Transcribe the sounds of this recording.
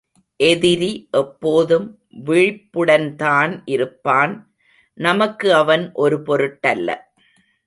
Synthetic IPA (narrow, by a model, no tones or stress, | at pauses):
ʔɛðɪɾiʔɛpːoːðɯm | ʋɪɻɪpːɯɽɐnt̪aːnʔɪɾɯpːaːn | nɐmɐkːɯɐʋɐnʔɔɾɯpɔɾɯʈːɐlːɐ̰